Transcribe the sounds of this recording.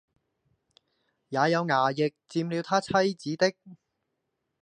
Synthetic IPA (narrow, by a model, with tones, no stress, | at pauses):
jaː˨˧jɐ˨˧wŋaː˨˩jɪ˨k̚t͡siː˧mli˨˧wt̪ʰaː˥t͡sʰɐ˥jt͡siː˨˥t̪ɪ˥k̚